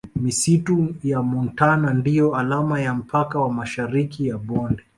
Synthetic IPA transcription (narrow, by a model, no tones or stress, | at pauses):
misitujamɔntanandijɔalamajam̩pʰakawamaʃaɾikijaɓɔndɛ